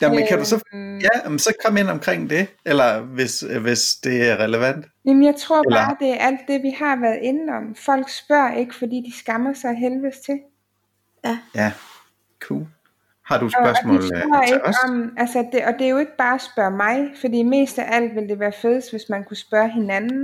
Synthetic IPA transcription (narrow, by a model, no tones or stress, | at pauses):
jæməkʰæd̥usɒjæmsɒ̽kʰɒ̽men̰ɒ̽mkʰʁeŋ̰d̥e̝elɐʋe̝sʋesd̥e̝æɐʁɛləʋæn̰d̥jæmn̩jɑ̈ɪt͡sʰʁo̝ɐ̰ːd̥e̝æɐʔæl̰d̥ːe̝ʋihɑ̈ʋæɐð̩ˠe̝nɒ̽m̰fɒ̽l̰ɡ̥sb̥ɶɐ̰e̝ɡ̥əfɒ̽d̥ḭːd̥isɡ̥ɑ̈mɐsɑ̈ɪɦelʋəːst͡sʰe̝ | jæ | kʰṵːl | hɑ̈d̥uɒ̥ɶɐsmɔ̥iːlɐeɡɒmʔælsəd̥e̝ʔɒ̽d̥e̝æjo̝e̝ɡ̥əb̥ɑ̈ːsb̥ɶɐmɑ̈ɪfɒ̽dḭːme̝̰ːsd̥æʔæl̰d̥ʋe̝ld̥e̝ʋæːɐfeðˠəsd̥ʋe̝smænkʰusb̥ɶɐɦe̝nænn̩